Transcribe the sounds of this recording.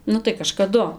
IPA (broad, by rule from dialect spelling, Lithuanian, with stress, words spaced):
ˈnʊ tɐɪ kɐʃkɐˈdʊ